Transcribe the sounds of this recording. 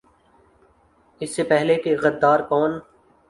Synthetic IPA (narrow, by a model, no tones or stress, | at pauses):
ɪsːepɛɦlekeɣɐd̪ːaːɾkɔːn